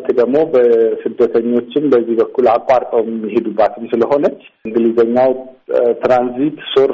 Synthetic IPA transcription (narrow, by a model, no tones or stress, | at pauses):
t̪d̪əɡmo̞bəsɨd̪ət̪ʰəɲːo̞t͡ʃːɪnbəzːihbəkʰːulakʼːaɾt̪ʼəwjɛmːihe̞d̪ubːat̪ʰɨmsɨləɦo̞nət͡ʃː | ɨŋɡɨlizəɲːaw | t̪ɾanzit̪soɾ